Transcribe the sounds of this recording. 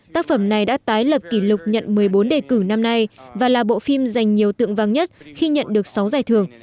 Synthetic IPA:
t̪aː˦˥k̚fə˧˩mna˨˩jɗa̰ː˧˥t̪aː˨˦jlə˨˩p̚ki˧˩lʊ˨˩k͡p̚ɲə̰˧˨nmɨ˨˩əjɓo˨˦nɗe˧˨˩kɨ˧˩na˧mna˧jvaː˨˩laː˨˩ɓo̰˧˨fi˧mza˨˩jŋ̟ɲi˨˩əwt̪ɨ̰˧˨əŋvaː˨˩ŋɲə˦˥t̚xi˧ɲə̰˧˨nɗɨ˨˩ək̚sa˨˦wzaː˧˩jt̪ʰɨ˨˩əŋ

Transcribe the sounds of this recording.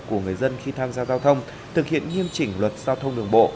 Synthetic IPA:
ku˧˩əŋɨ˨˩əjzə˧nxi˧t̪ʰaː˧mzaː˧zaː˧wt̪ʰə˧wŋ͡m | t̪ʰɨ˨˩k̚hḭ˧˨ənŋi˧əmt͡ɕï˧˩ŋ̟lwə˨˩t̚z̥aː˧wt̪ʰə˧wŋ͡mɗɨ˨˩əŋɓo̰˧˨

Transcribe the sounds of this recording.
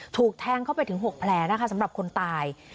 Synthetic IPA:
t̪ʰuː˨˩k̚t̪ʰɛː˧ŋkʰa˥˩wpa˧jt̪ɯ˩˦ŋɦu˨˩ək̚pʰlɛː˧˩na˦˥kʰa˦˥sa˩˦mɾa˨˩p̚kʰo˧nt̪aː˧j

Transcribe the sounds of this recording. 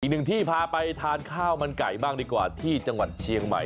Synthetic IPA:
iː˨k̚nɯ˨˩ŋt̪ʰiː˥˩pʰaː˧pa˧jt̪ʰaː˧nkʰaː˥˩wma˧nka̰˨˩jbaː˥˩ŋduː˧kwa̰ː˨˩t̪ʰiː˥˩t͡ɕa˧ŋwa̰˨˩t̪̚t͡ɕʰi˧əŋma̰˨˩j

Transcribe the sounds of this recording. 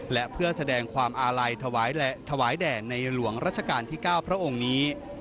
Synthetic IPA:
lɛ˦˥ʔpʰɯ˥˩əsa˧dɛː˧ŋkʰwaː˧mʔaː˧ɾa˧jwːt̪ʰa˧waː˩˦jdɛː˨˩nːa˧jlu˩˦əŋɾaː˦˥t̪̚t͡ɕʰa˧kaː˧nt̪ʰiː˥˩kaː˥˩wpʰɾa˦˥ʔo˧ŋniː˦˥

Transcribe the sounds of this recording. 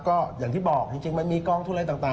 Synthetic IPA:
kɔː˥˩jaː˨˩ŋt̪ʰiː˥˩bɔː˨˩k̚t͡ɕi˧ŋt͡ɕi˧ŋma˧nmiː˧kɔː˧ŋʰu˥˩˨a˧jt̪aː˨˩ŋt̪aː˨˩

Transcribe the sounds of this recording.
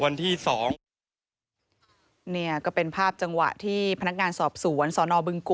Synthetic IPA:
wa˧nt̪ʰiː˥˩sɔː˩˦ŋ | ni˥˩ɐkɔː˥˩pe˧npʰaː˥˩p̚t͡ɕa˧ŋwa̰˨˩ʔt̪ʰiː˥˩pʰa˧na˦˥k̚ŋaː˧nsɔː˨˩p̚su˩˦ənsɔː˩˦nɔː˧bɯ˧ŋku˨˩

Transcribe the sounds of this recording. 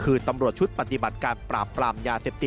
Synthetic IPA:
kʰɯː˧t̪a˧mɾu˨˩ət̪̚t͡ɕʰu˦tt̪̚pa˨t̪i˨˩ba˨˩t̪̚kaː˧npɾaː˨˩pːɾaː˧mjaː˧seː˨˩p̚t̪i˨˩

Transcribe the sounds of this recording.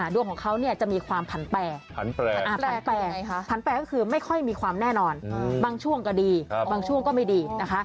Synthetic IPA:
ʔa˧˩du˧əŋʰkʰɔː˨˩˦ŋkʰa˦˥wni˥˩ət͡ɕa˨˩ʔmiː˧kʰwaː˧mpʰa˨˩˦nplɛː˧pʰa˩˦nɛː˧ʔaː˧˩pːnpɛ˧˦pʰa˨˩˦nplɛː˧kɔː˥˩kʰɯː˧ma˥˩jkʰɔ˥˩jmiː˧kʰwaː˧mnɛː˥˩nɔː˧nbaː˧ŋt͡ɕʰu˥˩əŋka˧˩diː˧baː˧ŋt͡ɕʰu˥˩əŋkɔː˥˩ma˥˩jdiː˧na˦˥kʰa˦˥ʔ

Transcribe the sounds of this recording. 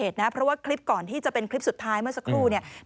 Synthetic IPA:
eː˨˩t̪̚na˦˥pʰɾɔ˦˥waː˥˩kʰɾi˦˥p̚kɔː˨˩nt̪ʰiː˥˩t͡ɕa˨˩pe˧nkʰɾli˦˥p̚su˨˩t̪ʰːaː˦˥jmɯ˥˩ɐsa˦˥kʰɾuː˥˩ni˥˩ɐ

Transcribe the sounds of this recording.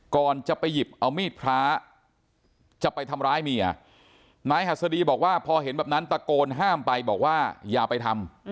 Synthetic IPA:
kɔː˨˩nt͡ɕa˨˩pa˧jːi˨˩p̚ʔa˧wmiː˥˩t̪̚pʰɾaː˦˥ | t͡ɕa˨˩pa˧jt̪ʰa˧mɾaː˦˥jmiː˧ʔa̰˨˩ | naː˦˥jha˨˩t̪̚sa˧diː˧bɔː˨˩k̚waː˥˩pʰɔː˧ɦe˨˩˦nbɛː˨˩p̚na˦˥np̪a˧koː˧nɦaː˥˩mpa˧jbɔː˨˩k̚waː˥˩jaː˨˩pa˧jt̪ʰa˧m

